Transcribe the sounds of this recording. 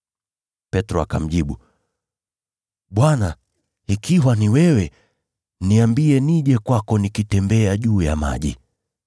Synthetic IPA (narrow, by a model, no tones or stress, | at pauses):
pɛtɾɔaka̰m̩ʄiɓu | ɓwana | hikiwaniwɛwɛ | niambiɛniʄɛkwakɔnikitɛmbɛaʄuːjama̰ʄḭ